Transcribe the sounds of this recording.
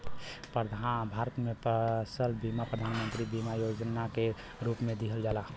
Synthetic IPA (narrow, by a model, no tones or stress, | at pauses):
pəd̪ʱabʱaːɾət̪mẽpəsəlbimapɾəd̪ʱaːnmə̃nt̪ɾibimajoːd͡ʒnake | ɾuːpmẽd̪iɦəld͡ʒaːla